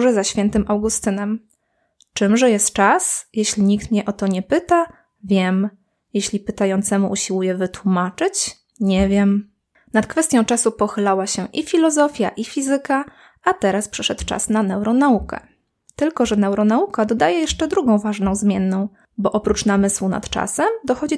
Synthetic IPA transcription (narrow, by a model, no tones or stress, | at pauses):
ʐɛzaɕfʲjɛnt̪ɘmʔawɡust̪ɘnɛm | t͡ʂɘmʐɛjɛst̪t͡ʂasjɛɕlʲiɲik̚t̪mɲɛʔɔt̪ɔɲɛpɘt̪a | vʲjɛm | jeɕlʲipɘt̪ajɔnt̪sɛmuʔuɕiwujɛvɘt̪wumat͡ʂɘt͡ɕ | ɲɛvʲjɛm | nat̪̚kfɛst̪jɔ̃w̃t͡ʂasupɔxɘlawaɕɛʔifʲilɔzɔfʲjaʔifʲizɘka | at̪ɛɾaspʂɛʂɛt̪t͡ʂa̰snanɛwɾɔnaukɛ̰ | t̪ɘlkɔʐɛnɛwɾɔnaukad̪ɔd̪ajɛjɛʂt͡ʂɛd̪ɾuɡɔ̃w̃vaʐnɔ̃w̃zmʲjɛnːɔ̃w̃ | bɔʔɔpɾut͡ʂnamɘswuna̰t̪t͡ʂa̰sɛmd̪ɔxɔd͡ʑi